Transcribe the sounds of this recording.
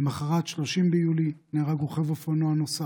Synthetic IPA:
maχaʁat̪ʃlo̞ʃimbejulineʁaɡuχevofonoanosa

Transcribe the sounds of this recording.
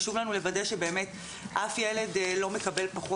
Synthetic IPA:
ʃuvlanulevadeʃebe̞ːme̞t | ʔafjele̞dlo̞me̞kabe̞lpaχo

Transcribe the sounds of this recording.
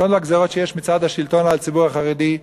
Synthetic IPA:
onleaɡzeʁo̞tʃejeʃmit͡sad̪haʃilt̪o̞nalt͡sibuʁaχaʁed̪i

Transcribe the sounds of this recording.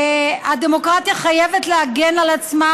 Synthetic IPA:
ad̪emo̞kʁat̪jaχajevetleaɡenalat͡sma

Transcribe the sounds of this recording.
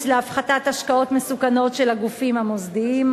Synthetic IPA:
t͡sleafχatat̪aʃkao̞t̪mesukano̞tʃelaɡufimamozd̪iim

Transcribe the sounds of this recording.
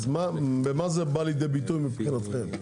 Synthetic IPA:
zmabɛmazɛbalijd̪ejbit̪ujmipχinat̪χɛm

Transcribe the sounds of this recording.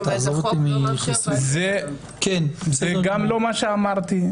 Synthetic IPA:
t̪azavt̪imiχesze | kenzeɡamlomaʃeamaʁt̪i

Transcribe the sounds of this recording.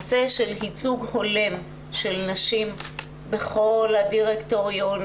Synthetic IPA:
seʃelhit͡suɡholem | ʃelnaʃim | be̞χo̞lhadiʁekto̞ʁjon

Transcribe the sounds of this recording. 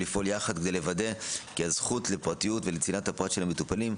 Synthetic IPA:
lifʔo̞ljaχad̪kd̪ejle̞vade̞kiaz̥χutlepʁatijutvelet͡sinathapʁat̪ʃelhametupalim

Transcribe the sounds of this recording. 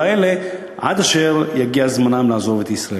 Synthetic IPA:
ele | ʔa̰d̪aʃeʁjaɡiazmanamlaːzo̞vet̪isɾa

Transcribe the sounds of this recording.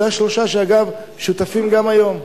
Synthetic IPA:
aʃloʃaʃeaɡav | ʃut̪afimɡamajo̞m

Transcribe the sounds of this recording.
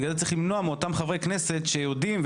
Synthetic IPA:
ɡalett͡saʁiχlimno̞ameo̞t̪amχavʁekneset̪ʃejod̪imv

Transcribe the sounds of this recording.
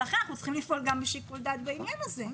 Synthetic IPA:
aχenaχnutt͡sχimlifʔo̞lɡambeʃikuld̪at̪̚baimjanaze

